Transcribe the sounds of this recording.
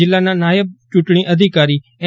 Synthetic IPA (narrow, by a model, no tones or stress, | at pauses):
ɪlanãːnaːjɪb̚t͡ʃʊʈɽ̃iʔɐd̪ʱɪkaːɾi | ɛ̃